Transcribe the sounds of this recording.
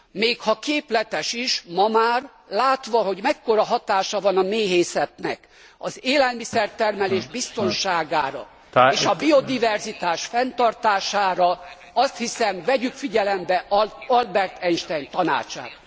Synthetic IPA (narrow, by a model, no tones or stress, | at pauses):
meːkhɒkeːplɛt̪ɛʃiʃmɒmaːr | laːt̪ʋɒɦo̞ɟmɛkːo̞ɾɒɦɒt̪aːʃɒvɒnɒmeːɦeːsɛt̪nɛ̰k | ɒzeːlɛlmisɛrt̪ɛrmɛleːʒbist̪o̞nʃaːɡaːɾɒ̰ | eːʃɒbio̞d̪ivɛrzit̪aːʃfɛnt̪ɒrt̪aːʃaːɾɒ | ɒst̪hisɛmvɛɟykfiɟɛlɛmbɛʔɒlbɛrt̪ʰɛnʃt̪ɛjnt̪ɒna̰ːt͡ʃa̰ːt̪